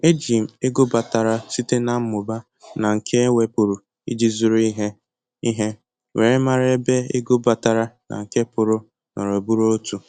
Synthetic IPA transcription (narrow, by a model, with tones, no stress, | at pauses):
e˦d͡ʒi˨m̩˨e˦ɡo˦ba˨ta˨ɾa˦si˦te˦na˨m̩˦mʊ˨ba˦ | na˨ŋ̩˨kʰe˦we˦pʊ˨ɾʊ˨ | ḭ˦d͡ʒi˦zʊ˦ɾi˦ɦe˦ | i˦ɦe˦ | wʔe˨ɾe˦ma˦ɾe˦e˦be˦e˦ɡo˦ba˨ta˨ɾa˦na̰˨ŋ̩˨ke˦pʊ˨ɾʊ˦ | nɔ˨ɾo˨bu˦ɾo˦o˦tu˨